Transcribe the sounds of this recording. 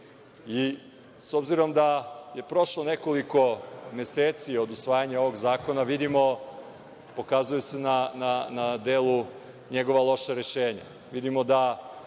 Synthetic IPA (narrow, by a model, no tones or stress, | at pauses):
i | so̞bziɾo̞md̪aje̞pɾo̞ʃlˠone̞ko̞liko̞me̞seːt̪sio̞d̪usʋaːjaɲao̞ʋo̞ɡzaːko̞naʋid̪imo̞ | po̞kazujesenananad̪eːlu | ɲe̞ɡo̞ʋalˠo̞ʃaɾe̞ʃeːɲa̰ | ʋid̪imo̞d̪a